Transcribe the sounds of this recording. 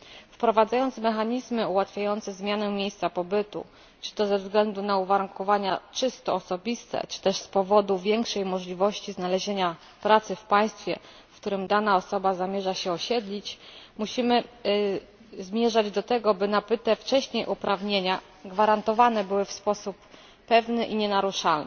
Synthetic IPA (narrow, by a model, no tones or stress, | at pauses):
fpɾɔvad̪zajɔnt̪smɛxaɲizmɘuwat̪fʲjajɔnt̪sɛzmʲjanɛmʲjejst̪sapɔbɘt̪ṵ | t͡ʂɘ̥t̪ɔzɛvzɡlɛnd̪unauvaɾuŋkɔvaɲat͡ʂɘst̪ɔːsɔbʲist̪ɛ̰t͡ʂɘ̥t̪ɛʂspɔvɔd̪uvʲjɛŋkʂɛjmɔʐlʲivɔɕt͡ɕiznalɛʑeɲa | pɾat̪sɘfpaj̃st̪fʲjɛ̰ | fkt̪uɾɘmd̪anaɔsɔbazamʲjɛʐaɕɛɔɕɛd̪lʲit͡ɕmuɕimɘ | zmʲjɛʐad͡ʑd̪ɔt̪ɛɡɔbɘnapɘt̪ɛft͡ʂɛɕɲejʔupɾavɲeɲa | ɡvaɾant̪ɔvanɛbɘwɘfspɔsupː | ɛvnɘʔiɲɛnaɾuʂalnɘ